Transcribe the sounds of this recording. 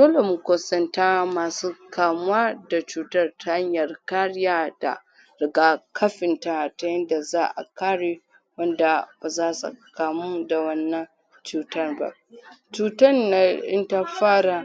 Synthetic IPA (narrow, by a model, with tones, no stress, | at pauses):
doː˦le˨mu˨kʷo˨sɐ˦ntaː˦maː˨suː˦kaː˨mʊ˦waː˦da˨t͡ʃuː˨tɐ˦rtʰa˦ha˦ɲjɐ˨rka˦ɽɪ˦jaː˦d̥a̰˨ | ɾɪ˨ɡaː˦kʰɐ˦ɸɪ˨nta˦ta˦jɐ˦nda˨zaː˦ʔa̰˨kaː˦ɽe˦ | wɐ˦nda˨b̥a˨zaː˦sṵ˨kaː˨mu˦da˨wɐ˦nːɐ˦ŋ | t͡ʃuː˨tɐ˦rba̰˦˨ʔt͡ʃuː˦tɐ˦nːa˨ʔɪ̰˦nta˦ɸaː˦ɽa˨